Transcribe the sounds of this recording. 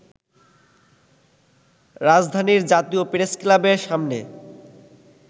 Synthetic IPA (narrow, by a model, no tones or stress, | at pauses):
ɾad͡ʑd̪ʱaniɾd͡ʑat̪iopɾesklabeɾʃamne